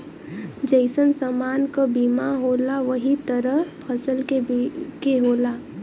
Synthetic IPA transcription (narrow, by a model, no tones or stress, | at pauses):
d͡ʒəɪsənsəmaːnkabiːmaɦoːlaʋəɦit̪əɾəɦpʰəsəlkekeɦoːlaː